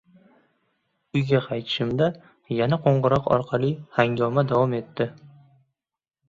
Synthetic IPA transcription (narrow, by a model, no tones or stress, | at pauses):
ʊjɡʲaqʰɑjt̪ʰɪ̥ʃɪmd̪a | janaqʰoɴʁɨɾɒqɒ̰ɾqʰɑlˠihaŋɡʲɒmad̪avɒme̞t̪ːɪ